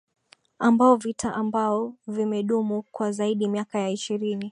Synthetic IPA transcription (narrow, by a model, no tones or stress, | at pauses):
ambaɔvitʰaʔambaɔvimɛɗumukwazaiɗimiakajaiʃiɾini